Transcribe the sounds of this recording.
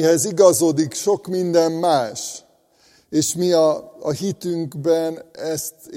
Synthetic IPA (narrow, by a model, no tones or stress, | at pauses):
ɦɛziɡɒzoːd̪ikʃo̞kmind̪ɛmːaːʃ | eːʃmiɒːhit̪yŋɡbɛnɛst̪